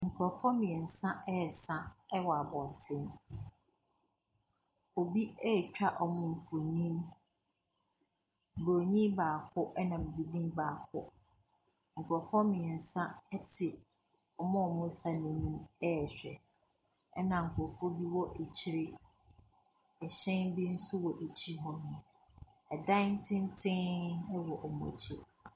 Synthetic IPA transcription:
ŋ̩˨kʰɾɔ˨fɔ˦mɪ̃˨ɛ˨n̩˨sã˦ʔɛ˦ɛ˨sã˦ɛ˦wɔ˨a˨bɔ̃˨n˨tʰɪ̃˦n | o˨bi˦ɛ˦˨t͡ɕᶣa˦ʔɔ˨mʊ̃˦m̩˨fu˨nĩ˦m˨ | bo˨ɲĩ˦baː˨kʰʊ˦ʔɛ˦nã˨bbi˨dĩ˦baː˨kʰʊ˦ | ŋ̩˨kʰɾɔ˨fɔ˦mɪ̃˨ɛ˨n̩˨sã˦ɛ˦tʰɪ˨ | ɔ˨mɔ̃˦ɔ˨mʊ̃˦sa˦nʊ̃˨nũ˦mɛ˦˨ɕᶣɛ˨ | ɛ˦nã˨ŋ̩˨kʰʷɔ˨fʊ˦bi˦wɔ˦ʔe˨t͡ɕʰi˦ɾɪ˦ | ɛ˨ɕɛ̃˦nbi˦n̩˦sʊ˦wɔ˨ʔe˨t͡ɕʰi˦ɦɔ˦nʊ̃˨ | ɛ˨dã˦n̩˦tʰɪ̃˦n˦tʰɪ̃˦ɛ˦wɔ˨ʔɔ˨mɔ̰̃˨t͡ɕʰi˦

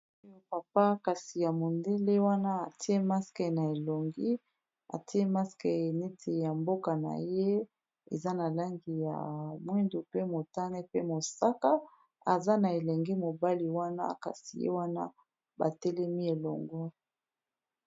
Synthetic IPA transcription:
o˦jo˦pa˨pa˦ka˨si˨ja˨mo˨nde˦le˦wa˦na˦a˨ti˦e˦ma˦skɛ˨na˨e˨lo˨ŋɡi˦ | a̰˨ti˦e˦ma˦skɛ˨ne˦tʰe˨ja˨mbo˦ka˨na̰˨je˦ | ḛ˨za˦na˨la˦ŋɡi˨ja̰˨mwi˦ndu˨pe˦mo˨ta˦ne˦pe˦mo˨sa˦ka˦ | a˨za˦na˨e˨lɛ˨ŋɡɛ˦mo˨ba˦li˨wa˦na̰˦ka̰˨sḭ˨jḛ˦wa˦na̰˦ | ba̰˨tɛ˦lɛ˦mi˦e˨lɔ̰˨ŋɡɔ˦

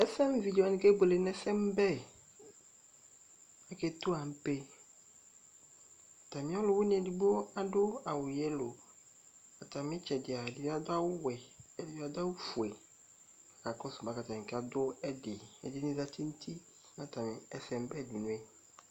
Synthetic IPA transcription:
ɛ˦sɛ˦m˦vi˨di˨a˨nɪ̃˨˦ke˦bo˨le˨nɛ˦sɛ˦m˦bɛ˦ | ɛ˦kɛ˦tʊ˦a˨m̩˦pe˦˨ | ta˨mĩ˨˦ɔ˦lʊ˨˦wʊ˦nĩ˦ɛ˨di˨bo˦a˦dʊ˦a˨wʊ˨jɛ˦lo˨ | a˨ta˨mɪ̃˦t͡ʃɛ˨dɪ˨a˨ɛ˨dɪ˨˦a˦dʊ˦a˦wʊ˦wɛ˨ɛ˨dɪ˨˦a˦da˦wu˦fu˨ɛ˨ | a˨ka˨kɔ˦sʊ˨ba˨˦ka˨tã˨kɛ˦a˨dʊ˦ɛ˦dɪ˨ɛ˨dɪ˦nɪ̃˦za˦ti˦n̩˦tʰi˦ | na˨ta˨mɪ˨ɛ˨sɛ˨m˦bɛ˦˨di˨nũ˦ɛ˦

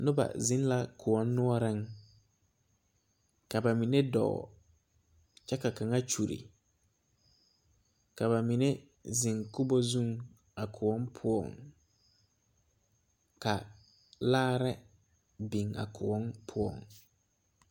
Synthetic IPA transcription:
nʊ˦ba̰˨zɪ̃˦n˦la˦kʊ˨ɔ˦nːʊ˦ɔ˦ɾɪ˦ŋ | ka˨ba˨mi˨ne˦dɔ̰˨ | t͡ʃɛ˦ka˨ka˨ŋa˦t͡ʃu˨ɾḭ˨ | ka˨ba˨mi˨ne˦ | zɪ˨ŋkʊ˦bɔ˦zũ˦ŋ | a˨kʰʊ˨ɔ˦npʰʊ˦ɔ̰˦˨ŋ | ka˨ | laː˦ɾɛ˦ | bi˨ŋa̰˨kʰʊ˨ɔ˦npʰʊ˦ɔ̰˦˨ŋ

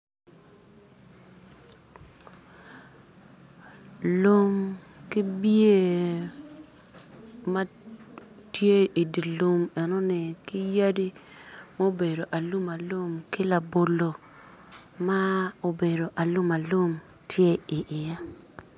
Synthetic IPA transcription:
lu˦m | ki˦bje˦˨ | ma˦ | tje˦i˨di˨lu˦mɛ˨no˦nɪ˨kɪ˦ja˦di˦ | ma˦o˦be˨do˨ʔa˨lu˦ma˨lu˦mkɪ˦la˨bo˨lo˨ | ma˦o˨be˨do˨ʔa˨lu˦ma˨lu˦m | tʰje˦i˨ʔɪ˨ja˦

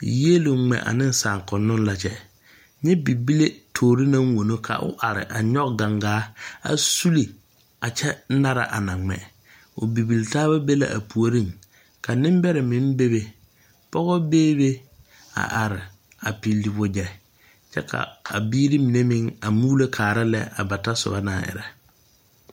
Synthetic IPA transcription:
je˦lʊ˨˦ŋ͡mɛ̰˨ʔa̰˨nɪ˦n˦saː˨ŋkʊ˨nːʊ˦n˦la˨t͡ʃɛ˦ | ɲɛ˦bi˨bi˦le˦tʰoː˨ɾi˦nã˦ŋ˦wo˨no˦kʰa̰˨ʔʊ̰˦ʔa˨ɾɪ̰˨ʔa˨ɲɔ˦kɡa˨ŋɡaː˦a̰˨su˦li˨ | a˨t͡ʃɛ˦na˦ɾa̰˨ʔa˨na˨ŋ͡mɛ̰˨ | ʊ˨bi˨bi˨ltaː˦βa˦be˦la̰˨ʔa̰˨pu˨o˨ɾi˦ŋ | ka˨nɪ̃˦m˦bɛ˦ɾɪ˨mɪ̃˦n˦be˦be˨ | pɔ˦ɣɔ˦beː˦be˦ | a̰˨ʔa˨ɾɪ˨ | a˨pi˨lːi˨bʊ˦d͡ʒɛ˨ | t͡ʃɛ˦kʰa̰˨a̰˨biː˦ɾi˦mi˨ne˦mɪ˦ŋa˨muː˦le˦kʰaː˨ɾa˦lɛ˦a˨ba˨ta˦sʊ̰˨ba˦na̰ː˨ʔɪ̰˨ɾɛ˨

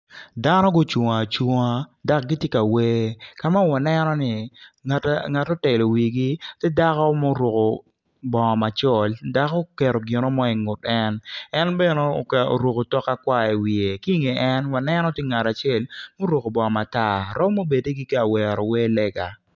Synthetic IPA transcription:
da˦nɔ˦ɡo˦t͡ʃo˨ŋa˨t͡ʃo˦ŋa˦da˨k̚ɡi˦tje˦ka˨we˦ka˨ma˦wa˨nɛ˦nɔ˦nɪ˨tŋa˨to˦tɛ˨lo˨wi˨ɡi˦tɛ˦da˦kɔ˦mo˦ɾo˨ko˨ | bɔ˨ŋɔ˨ma˨t͡ʃɔ˦˨lda˦ko˦kɛ˨ɾo˨ɡɪ˨no˦mɔ˦i˨ŋʊ˨tɛ˦nɛ˦nbɛ˦no̰˦˨ko̰˨ɾo˨ko˨tɔ˦kːa˦kwa˦ɛ˨wi˨e˨ki˦ŋe˨ʔɛ˦nwa˨nɛ˦nɔ˦tɪ˦ŋa˨ta˨t͡ʃɪ˦e˦˨lmo˦ɾwo˨ko˨bɔ˨ŋɔ˨ma˨ta˦˨ɾɔ˦m˦mo˦be˨de˦ɡi˦ke˦a˨wɛ˨ɾo˨we˦lɛ˦ɡa˨

